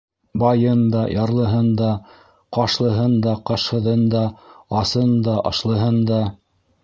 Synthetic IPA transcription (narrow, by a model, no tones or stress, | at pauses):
bɑjɤnd̪ɑjʔɑɾlˠɤ̆ɦɤnd̪ɑ | qɑʃlˠɤ̆ɦɤnd̪ɑqɑʃhɤ̆ðɤnd̪ɑɑsɤnd̪ɑʔɑ̰ʃlˠɤ̆ɦɤnd̪ɑ